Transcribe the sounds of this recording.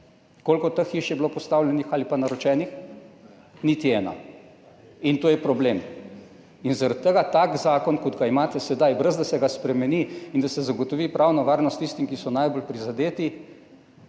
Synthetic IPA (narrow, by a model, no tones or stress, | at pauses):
koːlkɔt̪əxiʃjɛblopɔst̪awlʲjɛnixalipanaɾɔt͡ʃɛːnix | nit̪iɛːna̰ | int̪oːjɛpɾɔbleːm | inzaɾat̪ːəɡat̪aːkzaːkɔnkɔd̪ɡaimaːt̪ɛsɛd̪ajbɾəzd̪asɛɡaspɾɛmɛniind̪asɛzaɡot̪ɔʋiːpɾʔawnɔʋaːɾnɔst̪ːist̪imkisɔnajbolpɾizad̪eːt̪i